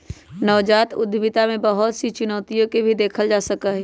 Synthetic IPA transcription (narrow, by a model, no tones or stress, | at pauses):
nəʋd͡ʒaːt̪ʊ̰d̪bɪt̪amẽbəɦʊt̪sit͡ʃʊnɔːt̪ijõkebʱid̪eːkʰəld͡ʒaːsəkəɦ